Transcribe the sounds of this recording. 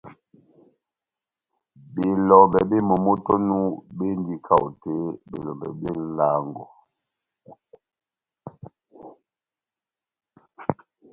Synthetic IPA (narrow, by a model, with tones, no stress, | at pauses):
be˨lɔ˨bɛ˨be˦mo˨mo˦tɔ˦nu˦be˦n˦di˦kʰa˦˨wu˨te˨˦be˨lɔ˨bɛ̰˨bje˦la˦ŋɡɔ˨